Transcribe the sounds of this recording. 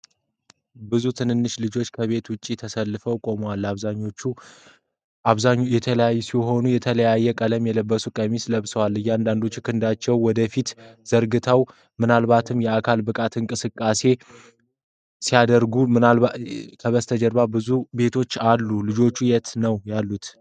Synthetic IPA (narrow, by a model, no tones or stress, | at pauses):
bɨzut̪ʰɨnɨnːɨʃlɨd͡ʒo̞t͡ʃːkʰəβe̞t̪wʊt͡ʃʼːit̪ʰəsəlːɨfəwkʼo̞məwalːaβzaɲːo̞t͡ʃːu | ʔaβzaɲːjɛt̪ʰələjajːɛsiɦo̞nujɛt̪ʰələjajːɛkʼələmjɛləbːəsukʼəmisləβsəwalːɨjːand̪and̪o̞t͡ʃːukʰɨnd̪at͡ʃːɛwwɔd̪əfit̪z̥əɾɡɨt̪ʰaw | mɨnalbat̪ʰɨmjɛakʰalbɨkʼat̪ɨŋkʼɨsɨkʼːase̞ | sijad̪əɾɡumɨnalakʰəβəst̪ʰəd͡ʒɛɾbabɨzube̞t̪ʰo̞t͡ʃːalːulɨd͡ʒo̞t͡ʃːujɛt̪nəwjalːut̪